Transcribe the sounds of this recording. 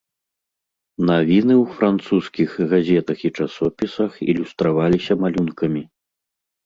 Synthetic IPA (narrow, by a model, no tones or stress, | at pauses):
navʲinɨwfɾant̪suskʲixɣazʲɛt̪ɐxit͡ʂasɔpʲisɐxḭlʲust̪ɾavalʲisʲɐmalʲunkɐmʲi